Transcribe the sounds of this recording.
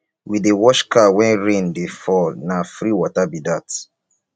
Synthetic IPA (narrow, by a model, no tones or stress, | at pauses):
widewɔʃkawɛ̃nɹẽndefɔlnafɾiwɔtabidat